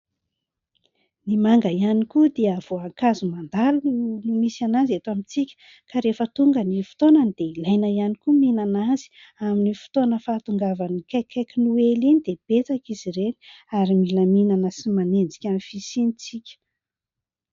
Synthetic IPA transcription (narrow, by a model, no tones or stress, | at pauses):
nimaŋɡəianikud̪eəav̥oaŋkazumand̪alunumisanazet̪amit͡sikʲə̥ | kaɾefət̪uŋɡənifu̥t̪onand̪̥eilajnəianikuminanazi̥ | aminifi̥t̪onəfaːt̪uŋɡavanikajkʰːajkʲinuelinid̪eb̥et͡sakiz̥iɾeniaɾimiləminanəsimanend͡zi̥kʲanifisinit͡sikʲə̥